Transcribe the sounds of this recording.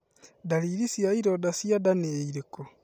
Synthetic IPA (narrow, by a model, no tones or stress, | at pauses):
daɾiːɾisjaiɾodasjadaneeiɾeko